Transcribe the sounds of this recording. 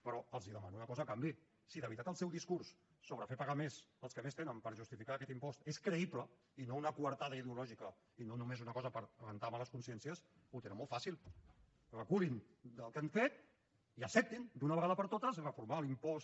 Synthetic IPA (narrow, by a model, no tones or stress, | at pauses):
pəɾɔəlˠziðəmanunəkɔzəkambi | siðəβɾit̪at̪əlˠsɛwðiskuɾsː | oβɾəfepəɣamezəlˠskəmest̪enəmpəɾʒust̪ifikaːkɛt̪impɔst̪eskɾəiplə | inounəkuβəɾt̪aðəiðiulɔʒikə | inonumezunəkɔzəpəɾəβənt̪amaləskunsjɛnsijəs | ut̪enəmɔlˠt̪fasilˠ | rəkulin | d̪əlˠkɛɱfet̪̚ | iəsɛp̚t̪ind̪unəβəɣaðəpəɾt̪ot̪əzrəfuɾmalimpɔs